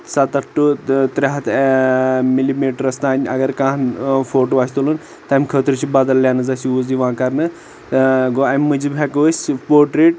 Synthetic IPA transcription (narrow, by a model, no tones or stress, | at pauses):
sat̪ɐkʈut̪ɾʲaɦɐt̪ | milimeːʈɾɐst̪aːnʲɐɡɐɾkãːɦfoːʈoːaːsʰʲt̪olɨn | t̪ɐmʲkʰəːt̪ɾɨt͡ʃʰibaːd̪ɐlːʲjaːnɨzɐsiuːziʋãːkɐɾnɨ | ɡoɐmʲːɨd͡ʒibʲɐkəːsʲpoːɾʈɾeːʈ̚